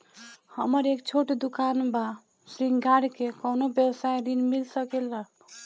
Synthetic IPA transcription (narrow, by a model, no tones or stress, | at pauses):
həməɾekt͡ʃʰoʈd̪ukanba | sɾiŋɡɡaɽkekonobjəwsajɾinmilsəkelːə